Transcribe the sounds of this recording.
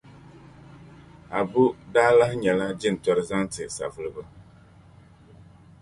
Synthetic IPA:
a˨bu˦daː˦la˦hɲɛ˨la˦d͡ʒɪ˦n̩˨tɔ˦ɾɨ˦za˦ntɨ˨sa̰˨vɨ˦lɨ˦bɨ˦

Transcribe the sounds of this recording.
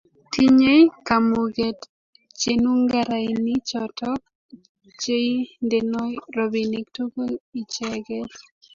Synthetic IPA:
ti˦ɲe˦kamuɡɛt | t͡ʃe˨nu˦ŋɡaɾaini˦t͡ʃɔtɔk̚ | t͡ʃe˦i˦ndenɔ˦jɾɔbini˦ktu˦ko˦li˨t͡ʃɛɡɛ˦t

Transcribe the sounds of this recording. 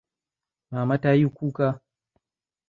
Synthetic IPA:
maː˨ma˦ta˦ju˦ku˦ka˦

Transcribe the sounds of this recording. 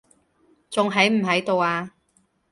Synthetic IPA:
t͡sʊ˨ŋɦɐ˨˥jm̩˨˩ɦɐ˨˥jt̪o˨˧waː˧

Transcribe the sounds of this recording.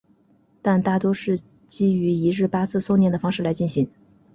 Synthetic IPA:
t̪a˥˧nt̪a˥˩t̪wɔ˥ʂɻ̩˥˩ | t͡ɕi˥y˧˥i˧˥ɻɻ̩˥˩pa˥t͡sʰɹ̩˥˧so˥˧ʊnɛ˥˩nd̪ə˩fɑ˥ŋʂɻ̩˥˩la˧˥ɪt͡ɕi˥˩nɕi˧˥ŋ

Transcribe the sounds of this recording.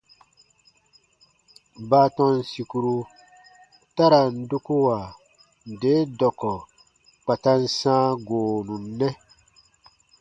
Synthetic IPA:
baː˦tɔ̃˧n˨si˨ku˨ɾu˧ | ta˦ɾa˨n̩˦du˦ku˦wa˨ | de˨˦dɔ˨kɔ˨ | k͡pa˨ta˦n̩˦sãː˦ɡoː˨nũ˨nː˦ɛ˦

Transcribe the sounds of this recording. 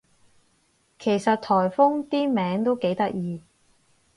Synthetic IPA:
kʰe˨˩jsɐ˨t̚t̪ʰɔː˨˩jfʊ˥ŋt̪iː˥mɛː˨˥ŋt̪o˥wke˨˥jt̪ɐ˥k̚jiː˧

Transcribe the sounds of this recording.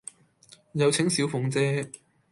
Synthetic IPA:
jɐ˨˧wt͡sʰɪ˨˥ŋsiː˨˥wfʊ˨˧ŋt͡sɛː˥

